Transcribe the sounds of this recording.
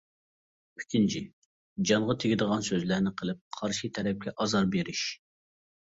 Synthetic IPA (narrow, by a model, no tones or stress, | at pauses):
pʰi̥kʲint͡ʃʰɪ | d͡ʒɑɴʁɑt̪ʰɪɡʲid̪əʁɑnsøzlæɾnɪqʰəlˠɨp̚qʰɑɾʃit̪ʰɛɾɛp̚kʲʰɛʔɑzɑɾbeɾɪʃ